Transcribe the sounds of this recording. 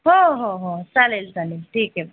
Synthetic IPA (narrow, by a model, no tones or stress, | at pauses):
ɦoɦoɦosalelsalelʈʰiːkɦɛ